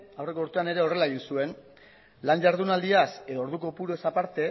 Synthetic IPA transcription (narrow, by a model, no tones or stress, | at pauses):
awre̞ko̞ɾt̪uane̞ɾe̞o̞re̞laeɣinsue̞n | lanʝaɾðunald̪iase̞ðoo̞ɾðuko̞puɾoesapaɾt̪e̞